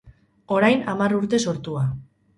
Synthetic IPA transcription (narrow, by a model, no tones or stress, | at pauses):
o̞ɾajnamaruɾt̪e̞so̞ɾt̪ua